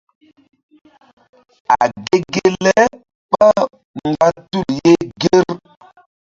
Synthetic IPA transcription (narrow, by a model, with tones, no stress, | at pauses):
a˨ɡe˦ɡe˦lɛ˦ | pa˦ | ŋ˨ɡa˦tu˦˨lje˦ɡe˦ɾ